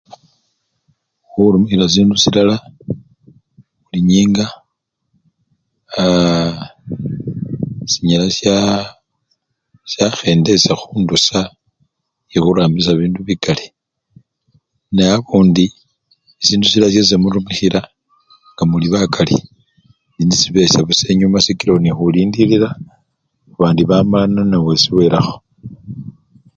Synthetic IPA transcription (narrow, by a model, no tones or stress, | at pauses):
uɾumixiɾas̬iːndusilala | uliɲiːŋɡa | siɲalasa | sjaxe̞ːnde̞saxuːndusa | exuɾaːmbis̬aβiːnduβiɡale | neaβuːndi | isiːndusilasjes̬emuɾumixiɾa | ŋɡamuliβakʰalḭ | ndinisiβe̞saβuse̞ɲumasikilaonixuliːndiliɾa | uβaːndiβamalananawesiwe̞ːɾaxo̥